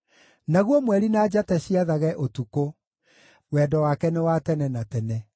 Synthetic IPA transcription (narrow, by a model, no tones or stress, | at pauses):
naɣwɔmwɛɾinad͡ʑatɛɕiaðaɣɛʔotuko | wɛdɔwakɛnɛwatɛnɛnatɛnɛ